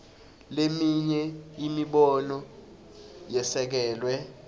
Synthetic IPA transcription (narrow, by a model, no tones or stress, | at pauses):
lemiɲɛimiɓɔnɔ | jɛsɛk̬ɛːlwɛ